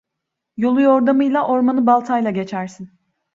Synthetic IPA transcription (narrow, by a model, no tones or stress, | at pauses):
jo̞lˠujo̞ɾd̪amɯjlˠaʔo̞ɾmanɯbalˠt̪ʰajlˠaɟe̞t͡ʃʰæɾsin